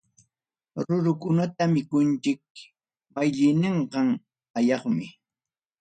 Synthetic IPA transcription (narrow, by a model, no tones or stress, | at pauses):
ɾʊɾʊkʊnat̪amɪkʊnt͡ʃɪk̚ | majʎɪneɴɢɑŋ | ajɑχmɪ